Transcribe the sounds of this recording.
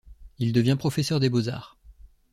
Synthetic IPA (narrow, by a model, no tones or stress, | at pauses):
ild̪əvjɛ̃pχɔfɛsœʁd̪eboza̰ːʁ